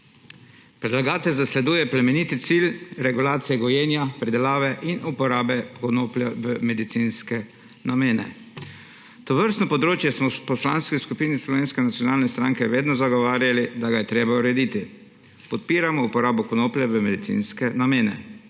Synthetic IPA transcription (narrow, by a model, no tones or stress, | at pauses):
pɾɛd̪laɡaːt̪ɛlzaslɛd̪uːjɛplɛmɛnit̪it̪silɾɛɡulaːt̪sijɛɡɔjeːnjapɾid̪ɛlaːʋɛʔinupɔɾaːbɛkɔnoːplʲjaʋəmɛd̪it̪sinskɛ | nameːnɛ̰ | t̪ɔʋəɾst̪nɔpɔd̪ɾoːt͡ʃjɛsmɔpɔslaːnskiskupiːnislɔʋeːnskɛnat̪sijɔnaːlnɛst̪ɾaːŋkɛʋeːd̪nɔzaɡɔʋaːɾjalid̪aɡajɛt̪ɾeːbauɾɛd̪it̪i | pɔt̪̚piːɾamɔupɔɾaːbɔkɔnoːplʲjaʋəmɛd̪it̪sḭnskɛnameːnɛ̰